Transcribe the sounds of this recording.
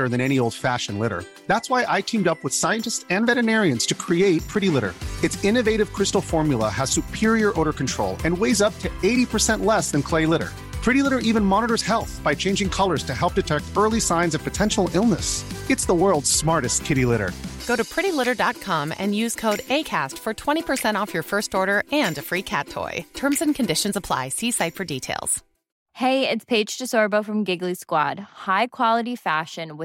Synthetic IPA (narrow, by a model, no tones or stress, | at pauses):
ə˞ðɨ̃ñɛnioʊlˠd̥fæʃɨ̃nlɪɾə̰˞ | ðætswaɪʔaɪtʰĩmdʌpwəð̥saɪɨ̃ntɨstsɨ̃nvɛɾɨnɛɹiɨ̃nz̥tʰɨkʰɹ̥ieɪt̚pʰɹ̥ɪɾilɪɾə̰˞ɨtsɪ̃nɨveɪɾɨv̥kʰɹ̥ɪstl̩ˠfɔɹmjl̩ˠə̰əz̥sʉpʰɪɹiə˞ʔoʊɾə˞kn̩tʰɹ̥o̰ʊlˠɨ̃nweɪzʌp̚tʰɨeɪɾipʰə˞sɛ̃nʔlɛsðɨ̃nkʰl̥eɪlɪɾə̰˞ | pʰɹ̥ɪɾilɪɾə˞ʔivɨ̃nmɑnəɾə˞z̥hɛlˠθb̥aɪt͡ʃʰẽɪ̃nd͡ʒɪ̃ŋkʰʌlˠə˞z̥tʰɨhɛlˠp̚d̥ɨtʰɛk̚tɜ˞lˠisãɪ̃nzʌv̥pʰɨtʰɛ̃nʃl̩ˠɪlˠnəsɨtsðəwɜ˞lˠdz̥smɑɹɾɨst̚kʰɪɾilɪɾə̰˞ɡ̥oʊɾɨpʰɹ̥ɪɾilɪɾə˞dɑt̚kʰɑ̃mɨ̰̃njʉz̥kʰoʊɾeɪkʰæ̰stfə˞tʰw̥ɛ̃ɾ̃ipʰə˞sɛ̃ɾ̃ɔfjə˞fɜ˞stɔɹɾə˞ɨ̃nɨfɹikʰæ̰tʰɔ̰ɪtʰɜ̃˞mzɨ̃nkʰɨ̃ndɪʃɨ̃n̩zəpʰl̥a̰ɪsisaɪtfə˞ditʰeɪlˠz̥ | heɪɪtspʰeɪd̥d͡ʒ̥tʰɨsɔɹboʊfɹʌ̃mɡɪɡliskwɑ̰d̥̚haɪkʰw̥ɑlˠəɾifæʃɨ̃nwɪ